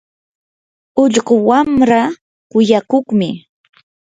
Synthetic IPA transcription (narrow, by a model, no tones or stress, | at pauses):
ʊʎɢʊwamɾa | kʊjakoχmɪ